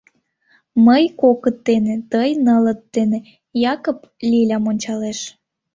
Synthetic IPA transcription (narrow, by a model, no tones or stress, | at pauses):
məjkokət̪ːenĕt̪əjnələt̪ːenĕ | jɑkoplʲilʲɑmonʲt͡ɕɑleʃ